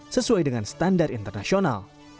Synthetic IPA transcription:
səsuajdəŋanst̪andarint̪ərnasiona̰l

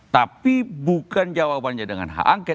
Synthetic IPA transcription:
t̪apibukand͡ʒawaband͡ʒadəŋa̰nɦa̰ʔaŋke

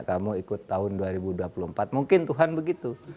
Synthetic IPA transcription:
ʔkamuikʊt̪ːaɦʊnduaɾibuduapuluəmpat̪̚muŋkɪnt̪uɦanbəɡit̪u

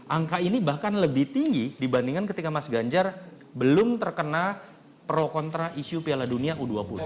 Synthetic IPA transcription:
ʔaŋkainibahkanləbɪht̪iŋɡidibandiŋankət̪ikamasɡaɲd͡ʒar | bəlʊmt̪ərkəna | pɾokɔnt̪ɾaʔiʃupialaduniaʔuduapulu

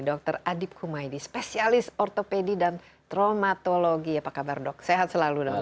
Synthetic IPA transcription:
dɔk̚t̪əradɪp̚kʰumajdispesialɪsɔrt̪opedidan | t̪ɾomat̪oloɡiapakabardɔk̚seɦat̪̚səlaludɔ

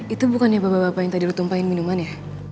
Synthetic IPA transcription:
it̪ubukanjabababapajaŋt̪adiɾut̪umpaɪnminumanja

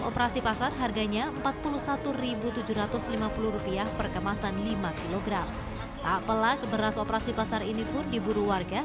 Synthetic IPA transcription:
opəɾasipasarɦarɡaɲaəmpat̪̚puluhsat̪uɾibut̪ud͡ʒuɾat̪ʊslimapuluhɾupiahpərkəmasanlimakiloɡɾam | t̪aʔpəlakəbəɾasopəɾasipasarinipʊndibuɾuwarɡa

